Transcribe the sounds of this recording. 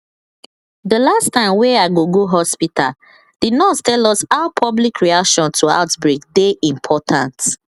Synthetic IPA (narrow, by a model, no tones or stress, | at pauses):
dəlastãɪ̃mwɛ̃aɪɡoɡoɦɔspitʰa̰l | d̥idnɔttɛlɔsaʊpʰɔblikʰɹiakʃɔ̃ntʰua̰ʊtbɹekdeʔĩmpʰɔtʰãnt